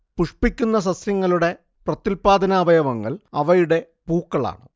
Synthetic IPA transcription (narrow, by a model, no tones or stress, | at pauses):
puʂpikʲːunːɐsɐsjɐŋːɐluɽe̞ | prɐt̪ːilpaːd̪ʱɐnaːbʱɐjɐʋɐŋːɐ̰ɭɐʋɐjuɽe̞ | puːkːɐɭa̰ːɳɨ